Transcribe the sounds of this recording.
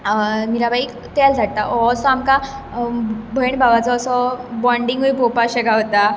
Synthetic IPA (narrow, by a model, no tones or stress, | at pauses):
miɾabʱaik | t̪ɛld͡zʱaʈ̚t̪aʔɔsɔamka | bʱəjɳbʱabat͡sɔɔsɔbɔɳɖiŋɡojpopaɕəɡaɦot̪a